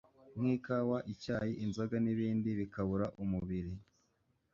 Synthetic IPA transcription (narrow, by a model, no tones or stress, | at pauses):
ŋ̥hiːkawaʔicaːjiʔinzaɡaniβiːndiβikaβuɾaʔumuβiɾi